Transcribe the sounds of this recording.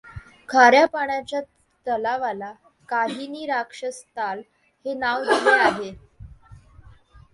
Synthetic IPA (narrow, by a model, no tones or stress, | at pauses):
kʰaɾjapaɳ̃jat͡ɕja | t̪əlaʋala | kaɦiniːɾakʂəst̪al | henaʋd̪ileaɦe